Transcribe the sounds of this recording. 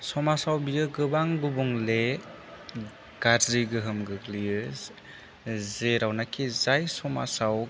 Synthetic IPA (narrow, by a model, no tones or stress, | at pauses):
sɔmasawbijɯɡɯbaŋɡubuŋle | ɡ̥aɾɾiɡɯɦɯmɡɯɡliɯz | zeɾawnakʰizajsɔma̰saw